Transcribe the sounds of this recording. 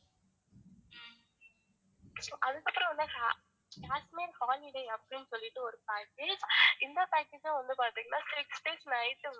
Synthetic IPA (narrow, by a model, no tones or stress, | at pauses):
soːʔɐðɯkːɐpːɾɔ̃ʋɐnd̪akaː | kaːsmeːɾhaːlɪɽeːɐpːɐɽɪnːɯsɔlːɪʈːɯɔɾɯpaːkeːd͡ʒɪnd̪ɐpaːkeːd͡ʒãʋɐnd̪ɯpaːɾt̪iːŋɡɐnːaːsɪksʈeːsnɐɪt̪ːɯ